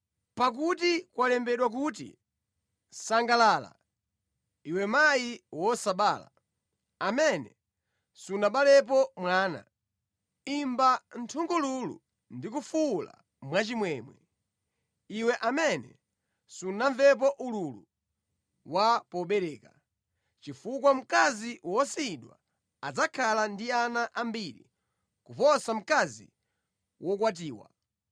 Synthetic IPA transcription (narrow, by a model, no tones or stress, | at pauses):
pak̬utikwalɛmbɛɗwak̬ut̬ḭ | saŋɡalala̰ | iwɛmajiwɔsaɓaːla̰ | amɛnɛ̰ | sunaɓalɛp̬ɔmwaːna̰ | imbantʰuŋɡɔlulṵ | ndik̬ufula̰ | mwat͡ʃimwɛmwɛ | iwɛʔamɛnɛ̰ | sunaɱvɛp̬ɔʔululu | wapɔɓɛɾɛːka | t͡ʃifuk̬wam̩kaziwɔsiɗwa̰ | ad͡zakʰalandianaʔambiɾḭ | kupɔsam̩kazḭ | wʔɔkwat̬iːwa̰